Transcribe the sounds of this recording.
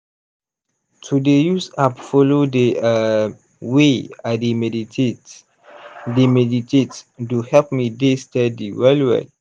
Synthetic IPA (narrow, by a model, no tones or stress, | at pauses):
tʰudejusabfɔlodea | weademɛdiet | demɛditetduhɛlp̚midestɛdiwɛlwɛ̰